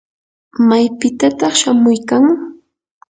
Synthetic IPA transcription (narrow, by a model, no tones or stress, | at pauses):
majpɪt̪at̪ɑχʃamʊjkaŋ